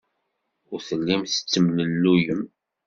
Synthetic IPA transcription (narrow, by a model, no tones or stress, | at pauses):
ʊɾθəlːæmθə̥t͡sːəmnəlːujəm